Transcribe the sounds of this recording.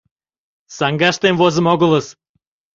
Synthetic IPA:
sɑŋɡɑʃt̪emvozə̆moɣə̆lə̆s

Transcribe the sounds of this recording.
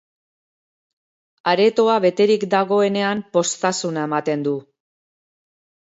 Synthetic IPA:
aɾe̞t̪o̞aβe̞t̪e̞ɾikd̪aɣo̞e̞ne̞ampo̞st̪asunae̞mat̪e̞nd̪u

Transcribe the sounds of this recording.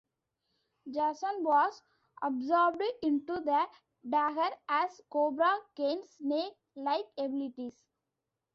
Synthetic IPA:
d͡ʒæsə̃nʋɔːz | ɔbzɔːɾb̚ɖɪ̃ɳʈud̪ə | ɖæɡəɾæzkoːbɾakẽːnsneːk | laɪkebɪlɪʈis

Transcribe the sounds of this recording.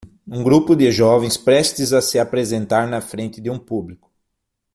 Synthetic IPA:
ũɡɾupʊd̪ɪʒɔvẽj̃spɾɛst̪ɪzɐsɪapɾezẽnt̪aɾnɐfɾẽnt̪ɪd̪ɪũpublikʊ̥

